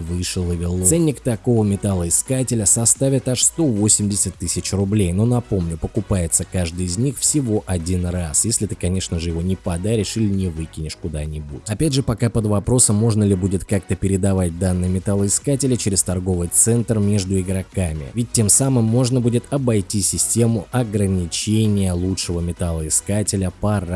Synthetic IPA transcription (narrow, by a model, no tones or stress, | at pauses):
vɨʂɨlˠəvʲɪlˠsɛnʲːɪkt̪ɐko̞vəmʲɪt̪alˠəɪskatʲɪlʲəsɐst̪avʲɪt̪ɐʂst̪o̞vo̞sʲɪmdʲɪsʲət̪ʲːɨsʲɪt͡ɕrʊblʲejno̞nɐpo̞mnʲʊpəkʊpajɪt̪səkaʐd̪ɨjɪzʲnʲixfsʲɪvo̞ʔɐdʲinrasjesʲlʲɪt̪ɨkɐnʲe̞ʂnəʐɨjɪvo̞nʲɪpɐd̪aɾʲɪʂilʲɪnʲɪvɨkʲɪnʲɪʂkʊd̪anʲɪbṵtʲɐpʲædʲʐɨpɐkapəd̪vɐpɾo̞səmːo̞ʐnəlʲɪbudʲɪt̪kak̚t̪əpʲɪɾʲɪd̪ɐvat̚ʲd̪anːɨjəmʲɪt̪alˠəɪskatʲɪlʲət͡ɕɪɾʲɪst̪ɐrɡo̞vɨjt̪sɛnt̪rmʲe̞ʐd̪ʊɪɡɾɐkamʲɪ̰vʲɪt̚ʲːe̞msamɨmːo̞ʐnəbudʲɪt̪ɐbɐjtʲisʲɪsʲtʲe̞mʊʔɐɡɾənʲɪt͡ɕenʲɪjəlˠutʂɨvəmʲɪt̪alˠəɪskatʲɪlʲəpɐɾ